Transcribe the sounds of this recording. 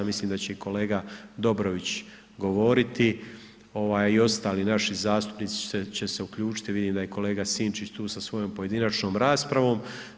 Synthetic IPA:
misliːmd̪at͡ɕe̞ikʰo̞le̞ːɡad̪o̞bɾoʋit͡ɕ | ɡo̞ʋo̞ːɾit̪i | o̞ʋaːjio̞st̪aːliːnaʃizaːst̪u̥pnit̪si̥et͡ɕe̞se̞ukʎuːt͡ʃi̥t̪iʋid̪iːmd̪aje̞ko̞le̞ːɡasiːnt͡ʃit͡ɕt̪uːsasʋo̞jo̞mpo̞je̞d̪inat͡ʃno̞ːmɾaːspɾaʋo̞ːm

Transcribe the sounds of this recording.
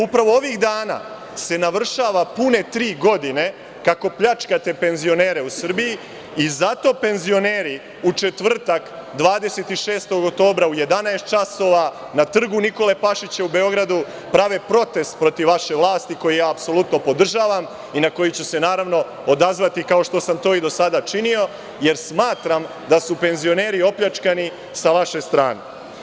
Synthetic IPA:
upɾaʋo̞o̞ʋiɣd̪aːna̰ | se̞naʋr̩ʃaːʋapune̞t̪ɾiːɡo̞d̪ine̞ | kako̞pʎat͡ʃkat̪e̞pe̞nzio̞ne̞ːɾe̞usr̩biji | izat̪o̞ːpe̞nzio̞ne̞ːɾi | ut͡ʃe̞t̪ʋr̩t̪akd̪ʋaːd̪eset̪iʃeːst̪o̞ɡok̚t̪o̞ːbɾauje̞d̪anaest̪̚t͡ʃaso̞ːʋa | nat̪r̩ɡuniko̞le̞paʃit͡ɕeube̞o̞ɡɾad̪u | pɾaʋe̞pɾo̞t̪e̞st̪̚pɾo̞t̪iʋːaʃe̞ʋlˠaːst̪iko̞jijaːpso̞lˠut̪no̞po̞d̪r̩ʒaːʋam | inako̞jit͡ɕuse̞naːɾaʋno̞ | od̪azʋat̪ikaoʃt̪o̞samt̪o̞ːid̪o̞sad̪at͡ʃinio̞ | je̞ɾsmaːt̪ɾam | d̪asupe̞nzio̞ne̞ːɾio̞pʎat͡ʃkani | saʋaʃe̞st̪ɾa̰ːne

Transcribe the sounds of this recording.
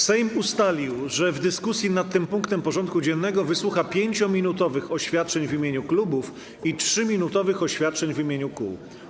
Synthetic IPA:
sɛjmust̪alʲiwʐɛvd̪ɘskusʲjinat̪ːɘmpuŋkt̪ɛmpɔʐɔnt̪̚kud͡ʑɛnːɛɡɔvɘswuxapʲjeɲt͡ɕɔmʲinut̪ɔvɘxɔɕfʲjat̪̚t͡ʂɛɲvimʲeɲuklubuf | itʂɘmʲinut̪ɔvɘxɔɕfʲjat̪̚t͡ʂɛɲvimʲjeɲukṵw

